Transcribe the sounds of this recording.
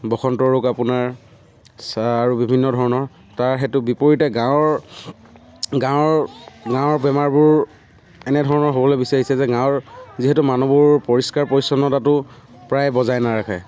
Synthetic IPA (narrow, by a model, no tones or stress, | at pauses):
bɔxɔntɔɹokapʊnaɹ | saɹubibʱinːɔdʱɔɹɔnɔɹ | taɹɦɛtʊbipoɹitɛɡãwɹ | ɡãwɹɡãwɔɹbɛmaɹbʊɹ | ɛnɛdʱɔɹɔnɔɹɦobɔlojbisaɹisɛzɛɡãwɹziɦɛtumanɔbuɹpoɹiskaɹpɔɹisɔnːɔtatʊ | pɹajbɔzajnaɹakʰaj